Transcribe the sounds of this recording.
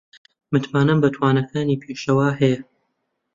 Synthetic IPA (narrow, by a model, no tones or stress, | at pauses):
mɨt̪maːnɐmbɐt̪ʰwaːnɐkʰaːniːpʰeːʃɐwaːhɛjɛ